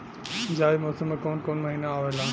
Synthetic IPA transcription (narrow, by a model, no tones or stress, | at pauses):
d͡ʒaːimoːsəməkoːnkoːnmɐɦiːnaːʋelaː